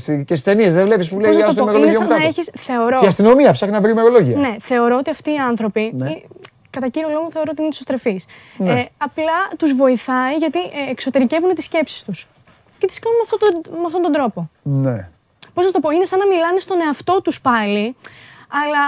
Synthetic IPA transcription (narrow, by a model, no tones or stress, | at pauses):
sicesi̥st̪eniezðevlepispuleznɐot̪omeɾoosiɐɐɐeçisθe̞o̞ɾoiɐst̪inomiɐpsɐxnɐvɾimeɾoloʝiɐne̞θe̞o̞ɾoot̪iɐft̪iːɐnθɾo̞pii | kɐt̪ɐciɾiolo̞ɣonθe̞o̞ɾoot̪inesost̪ɾefisneɐplɐt̪uzvo̞iθɐiʝɐt̪iʔekso̞t̪e̞ɾice̞vunet̪isce̞psi̥st̪us | cet̪i̥skɐnunɐft̪ot̪meɐft̪ont̪od̪ɾo̞pone | po̞znɐst̪opo̞inesɐnɐmilɐne̞st̪o̞ne̞ɐft̪o̞t̪uspɐli | ɐlɐ